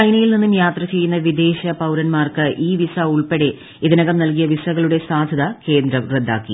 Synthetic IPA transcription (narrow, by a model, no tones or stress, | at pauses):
ɐjnɐjilninːumjaːt̪rɐt͡ɕe̞jːunːɐʋid̪e̞ːɕɐpɐwɾɐnmaːrkɨʔiːʋisɐuɭpeɽe̞ | iðinɐɣɐmnɐlk̬ijɐʋisɐɣɐɭuɽe̞saːd̪ʱɐðɐke̞ːnd̪ɾɐred̪ʱːa̰ːkːḭ